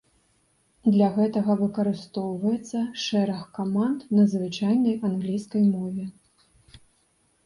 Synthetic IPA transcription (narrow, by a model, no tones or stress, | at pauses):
d̪lʲɐɣɛt̪ɐɣɐvɨkɐɾɨst̪ɔwvɐjɛt̪sːɐʂɛɾɐxkamant̪nɐzvɨt͡ʂajnɐjanɣlʲijskɐjmɔvʲɛ